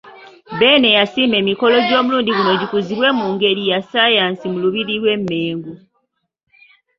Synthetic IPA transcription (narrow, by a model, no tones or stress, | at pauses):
be̞ːne̞jasiːme̞ːmiko̞lo̞ɟo̞ːmuluːndiɡuno̞ɟikuziβwe̞ːmuːŋɡe̞ɾijasajaːnsimuluβiɾilwe̞mːe̞ːŋɡu